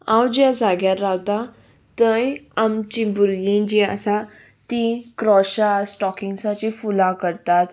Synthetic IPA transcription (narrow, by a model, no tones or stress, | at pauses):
awd͡ʑjad͡zaɡjatɾawt̪a | t̪əjamt͡ɕĩbuɾɡĩd͡ʑiə̰sa | t̪ikɾɔɕasʈɔkiŋɡsat͡ɕifulãkəɾt̪at̪